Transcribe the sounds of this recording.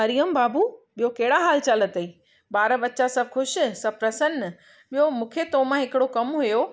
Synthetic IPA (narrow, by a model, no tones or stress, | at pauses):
ɦɐɾijəmbaːbuːɓijokɐɦɪɽaɦaːlt͡ɕɐlət̪ɐiː | ɓaːɾəʋɐt͡ɕasɐbxʰʊʃsɐb̚pɾɐsən | ɓijomũːkʰet̪oːmãɦɪkɪɽokɐmɦʊjo